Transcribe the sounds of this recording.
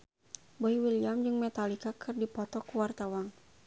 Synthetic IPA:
bɔiwiliamd͡ʒɨŋmɛt̪alikakʰɨrdipɔt̪ɔkuwart̪awaŋ

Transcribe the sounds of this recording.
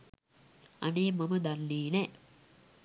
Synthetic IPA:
ɐ̰neːmɐməd̪alːiːnɛ

